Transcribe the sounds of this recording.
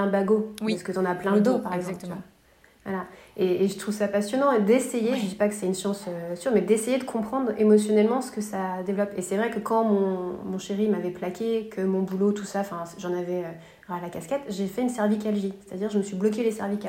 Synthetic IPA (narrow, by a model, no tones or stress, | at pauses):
ɛ̃baɡoaskət̪ɑ̃naplɛ̃ləd̪opaʁɛɡzɑ̃plt̪a | vwa̰laeːʒət̪χuvsapasjɔnɑ̃ed̪esejeʒəd̪ipakə̥sɛynʃɑ̃søsyʁmɛd̪esejed̪əkʰɔ̃pχɑ̃d̪ʁemɔsjɔnɛlmɑ̃sə̥kəsad̪evlɔpesɛvʁɛkəkɑ̃mɔ̃mɔ̃ʃeʁimavɛplakʲekʰəmɔ̃bulot̪usãfɛ̃sʒɑ̃navɛø | alakʲaskʲɛt̪ʒefɛynsɛʁvik̬ʲalʒise̥t̪ad̪iʁʒəməsɥiblɔk̬elesɛʁvikʲa